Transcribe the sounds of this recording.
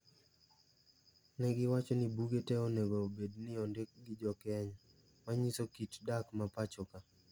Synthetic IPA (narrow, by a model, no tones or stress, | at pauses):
nɛɡɪwat͡ʃɔnibuɡetɛonɛɡɔbednɪɔndek̚ɡɪd͡ʒɔkɛɲa | maɲisokitdakmapat͡ʃɔka